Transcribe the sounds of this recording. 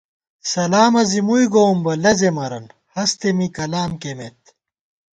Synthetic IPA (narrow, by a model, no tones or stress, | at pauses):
sɐlaːmɐzimuiɡombɐlɐzemɐɾɐnhɐst̪emikɐlaːmkemet̪